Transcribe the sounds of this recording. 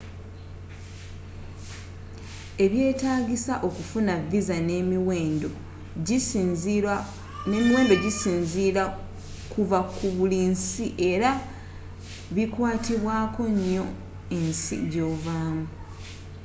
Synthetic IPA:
e̞βje̞ːtaːɡisaʔo̞kufunavizane̞miweːndo̞ | ne̞ːmiwe̞ːndo̞ɟisiːnzia | kuvakuβulinsiʔe̞ɾa | βikwaːtiβwaːko̞ɲːo̞ | ensḭɟo̞ːvaːmu

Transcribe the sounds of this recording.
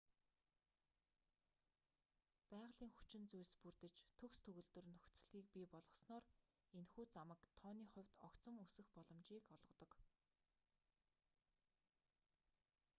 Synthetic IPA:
pæːʁɮiːŋxu̥t͡ɕɪ̆nt͡sujspurt̪ɘ̆t͡ɕt̪ʰɵkst̪ʰɵɣɵ̆ɮt̪ɵ̆rnɵxt͡s̆ɮiːk̚pʲiːpɔɮʁɞ̆snɔːr | enxuːt͡samə̆kt̪ʰɔːniːχʊ̟wʲt̪ɔkt͡sə̆ŋusɘ̆xpɔɮɞ̆mt͡ɕiːkɔɮʁɞ̆t̪ɞ̆k

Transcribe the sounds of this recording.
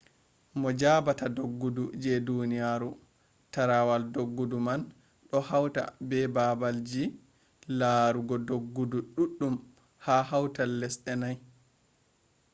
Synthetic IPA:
mɔd͡ʒabatadoɡːudud͡ʒɛdunijaɾu | taɾawaldoɡːuduman | ɗɔhawta̰bɛbabald͡ʒi | laːɾuɡɔdoɡːuduɗuɗːum | hahawtalːɛsɗɛnaj

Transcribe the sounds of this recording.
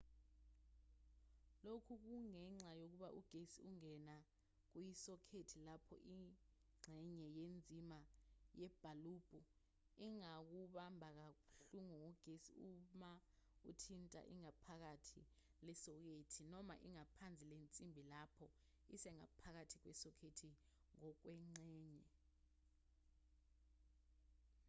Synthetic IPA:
lokʰuk̬uŋɛŋ͡ǀajok̬uɓaʔuɡ̥ʱesiuŋɛna | k̬ujisɔkʰetʰilapʰɔ̰ʔi | ŋ͡ǀʱɛɲɛjend͡zʱimajɛb̥ʱaluːb̥ʱu | iŋak̬uɓambʱak̬auɬuŋuuɡ̥ʱesiumaṵtʰintʼa̰ʔḭŋapʰak̬atʰi | lɛsɔk̬etʰinɔma̰ʔiŋapʰand͡zʱilent͡sʼimbʱilapʰɔ | isɛŋa̰pʰak̬atʰik̬wɛsɔkʰetʰi | ŋɔk̬wɛŋ͡ǀɛːɲɛ

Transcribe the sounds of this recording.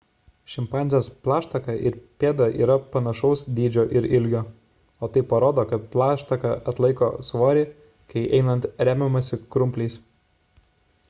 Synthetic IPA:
ʃʲɪmpɑˑnʲzʲjoːsplˠɑːʃt̪ɐkɐʔɪɾpʲeːd̪ɐʔḭːɾɐpɐnɐʃɐʊsd̪ʲiːd͡ʒʲoːʔɪɾɪlʲɡʲoː | oːt̪ɐɪpɐɾoːd̪oːkɐt̪̚plˠɑːʃt̪ɐkɐʔɐt̪lˠɐɪkoːsʋoːɾʲeː | kɐɪʔɛɪnɐnt̪ɾʲæːmʲɛmɐsʲɪkɾʊmʲpʲlʲɛɪs

